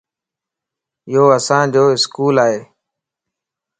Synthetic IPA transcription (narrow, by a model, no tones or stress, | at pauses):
ɪoːəsãːd͡ʑoːɪskuːlaːɦeː